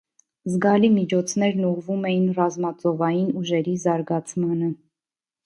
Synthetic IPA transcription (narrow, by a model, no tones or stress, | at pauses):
zɡɑlimit͡ʃʰɔt͡sʰnɛɾnuʁvumɛjinrɑzmɑt͡sɔvɑjinuʒɛɾizɑɾɡɑt͡sʰmɑnə